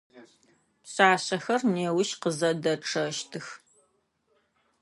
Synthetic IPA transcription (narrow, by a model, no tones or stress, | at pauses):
pɕaːɕɐxɐrneːwʊʃqəzɐdɐʈ͡ʂʰɐʃtʰɨx